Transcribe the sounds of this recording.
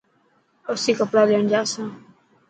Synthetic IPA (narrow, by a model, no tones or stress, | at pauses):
əsiːkəpɽaːleəɳd͡ʒaːsãː